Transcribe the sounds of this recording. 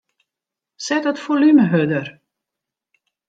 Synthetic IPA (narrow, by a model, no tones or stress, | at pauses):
sɛtətfolyməɦødər